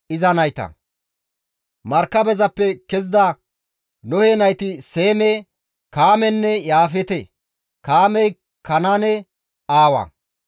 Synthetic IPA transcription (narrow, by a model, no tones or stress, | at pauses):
ɪzɐnɐjt̪ɐ̰ | mɐɾkːɐbɛzɐpːɛkɛz̬d̪a | nɔheːnɐjt̪ɪse̞ːmɛ | kaːmɛnːɛjaːfɛt̪ɛ | kaːmɛj | kɐnanɛ | aːwɐ̰